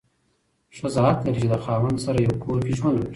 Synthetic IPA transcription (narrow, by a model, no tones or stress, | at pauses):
ʂazaɦat̪laɾit͡ʃed̪əxɑːwand̪saɾajawkʰoɾkiʒmanwakɾi